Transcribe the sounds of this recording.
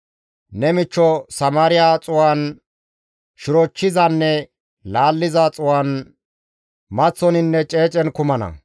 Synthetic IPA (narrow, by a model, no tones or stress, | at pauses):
nɛmɪt͡ʃːɔsɐmaːɾɪjaːt͡sʼʊwan | ʃɪɾɔt͡ʃːɪzɐnːɛ | laːlːɪzat͡sʼʊwaːn | mɐt͡sːɔnɪnːɛt͡ʃʼeːt͡ʃʼɛnkʊmɐnɐ̰